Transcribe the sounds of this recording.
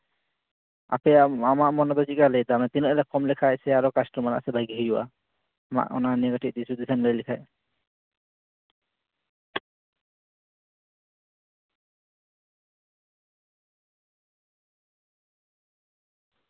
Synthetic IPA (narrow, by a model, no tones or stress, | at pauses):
a̰pɛamaʔmɔnɔbɔikalɛd̪amɛt̪inɔʔɛlɛkɔmlɛkʰajsɛaɾɔkastɔmana̰ʔsɛbʱajɡiɦid͡ʒuwa̰ | ama̰ʔɔ̰nanɛɡatiʔ̚d̪isud̪isʰanləjlɛkʰaj